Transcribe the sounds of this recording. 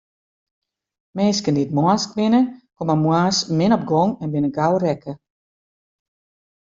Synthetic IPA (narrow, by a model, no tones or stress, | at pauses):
mɛːskəndit̚mɔəskʋɪnəkɔməmwaːsmɪnɔp̚ɡɔŋɛnbɪnəɡawrɛkə